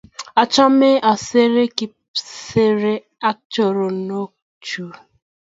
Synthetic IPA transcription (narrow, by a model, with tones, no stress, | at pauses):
a˨t͡ʃɔ˦me˦ʔa˨se˦ɾe˦ki˨pse˦ɾe˦ | a˦k̚t͡ʃo˨ɾo˨no˦ | t͡ʃu˨